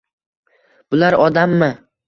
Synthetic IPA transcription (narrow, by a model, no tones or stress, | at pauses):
b̥ʊlaɾɒd̪amːɪ